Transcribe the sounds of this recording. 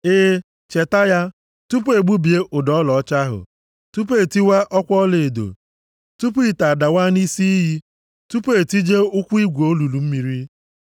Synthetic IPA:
e˦ | t͡ʃe˨ta˦ja˦ | tu˦p̬e˨ɡ͡bu˦bi˨e˦ʔʊ˨dɔ˨˦lɔ˨ɔ˦t͡ʃa˦ɦʊ̰˨ | tu˦p̬e˨ti˦wa˦ʔɔ˦kʷɔ˦le˨e˨do̰˨ | tu˦p̬i˦˨ta˨da˨wa˦ni˦si˦ɦi˦ | tu˦pe˨ti˦d͡ʒe˦ʊ˦kʷu˦i˦ɡʷo˦lu˨lu˨m̩˦mi˨ɾi˦

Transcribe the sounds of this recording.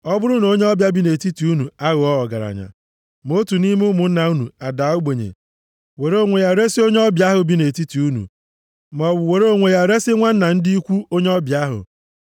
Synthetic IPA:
ɔ˦bʊ˦ɾʊ˦no˦ɲe˦ɔ˦bja˦bi˦ne˨ti˦ti˨u˦nu˨a˦ɣʊ˨ɔ˦ɔ˨ɡa̰˨ɾa̰˨ɲa̰˨ | mo˦tu˨ni˦m˦ʊ˦mʊ˨n̩˦na˨u˦nṵ˨a˨da˨˦u˦ɡ͡be˨ɲḛ˨ | we˨ɾo˦˨ŋʷe˨ja˦ɾe˦si˦o˦ɲe˦ɔ˦bja˦ɦʊ˨bi˦ne˨ti˦ti˨u˦nṵ˨ | m˨ɔ˨bʊ˨we˨ɾo˦˨ŋʷe˨ja˦ɾe˦sɪ˦ŋʷa˦n̩˦na˨n̩˦di˦i˦kʷu˦o˦ɲe˦ɔ˦bja˦ɦʊ̰˨

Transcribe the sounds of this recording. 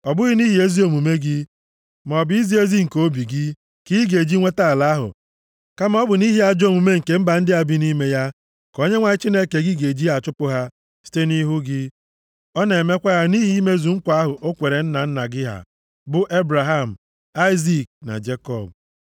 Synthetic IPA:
ɔ˨bʊ˦ɣɪ˦ni˦ɦi˨˦e˦zi˦o˨mu˨me˦ɡɪ˦ | m˨ɔ˨bi˦zi˦e˦zi˦ŋ̩˨ko˦bi˨ɡɪ˦ | ki˦ɡe˨d͡ʒi˦ŋʷe˦ta˦˨la˦a˦ɦʊ̰˨ | ka˦m˦ɔ˦bʊ˨ni˦ɦi˦a˦d͡ʒo˦˨mu˨me˦ŋ̩˨ke˦m̩˦ba˨n̩˦dɪ˦a˨bi˦ni˦me˦ja˦ | ko˦ɲe˦ŋʷa˦ɲɪ˦t͡ʃi˦ne˦ke˨ɡi˦ɡe˨d͡ʒi˦a˨t͡ʃʊ˦pʊ˦ɦa˦ | si̥˦te˦ni˦ɦu˦ɡɪ˦ | ɔ˦ne˨me˦kʷa˦ɣa˦ni˦ɦi˦i˦me˦zu˨ŋ̩˦kʷa˦ɦʊ˨ʔo˦kʷe˨ɾe˨n̩˦na˨n̩˦na˨ɡɪ˦ɦa̰˨ | bʊ˦ʔe˦bɾa˨ɦa˦˨m̩˨ | a˦ɪ˦zi˦k̚na̰˨d͡ʒe˦kɔ˨b̚

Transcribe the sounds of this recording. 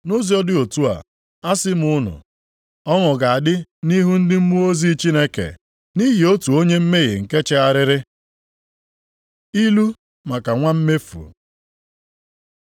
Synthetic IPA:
no˦zi˨ɔ˦dɪ˦o˨tu˦a̰˨ | a˦sɪ˦m̩˨ʊ˦nʊ̰˨ | ɔ˦ŋʊ˨ɡa˨a˨dɪ˦ni˦ɦu˦n̩˦dɪ˦m̩˦mu˦o˦zi˦t͡ʃi˦ne˦kḛ˨ | ni˦ɣi˨o˦tu˨o˦ɲe˦m̩˦me˦ɣɪ̰˨ŋ̩˨ke˦t͡ʃɪ˦a˨ɾɪ˦ɾɪ˦ | i˦lu˦ | ma˨ka˨ŋʷa˦m̩˦me˦fṵ˨

